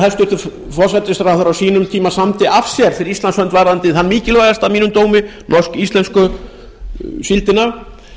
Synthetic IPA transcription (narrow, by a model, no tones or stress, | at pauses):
θast̪jʏɾt̪ʏ | fɔrsɛt̪ːɪsɾawfθʏɾawsiːnʏmt̪ʰiːmasamt̪ɪʔav̥sjɛɾ̥fɪɾɪɾist̪ansœnt̪vaɾðant̪ɪθanːmiːcɪlaːɣast̪avmiːnʏmt̪oːwmɪnɔr̥skist̪lɛnskʏ | silt̪ɪna